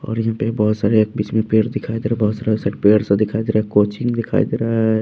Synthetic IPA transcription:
ɔ̰ːɾjɐɦãpebəɦut̪saɾeekbit͡ʃmepeːɾd̪ɪkʰaid̪eɾaɦbəɦʊt̪saːɾesaɾepeɾsə̃d̪ɪkʰaid̪eɾaɦɛkot͡ʃʰiŋd̪ɪkʰa̰ḭd̪eɾaɦɛ

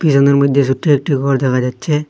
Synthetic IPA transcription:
pisɔneɾmojd̪ʱjesuʈʰːiek̚ʈikɔɾd̪ɛkʰad͡ʑatːɕʰe

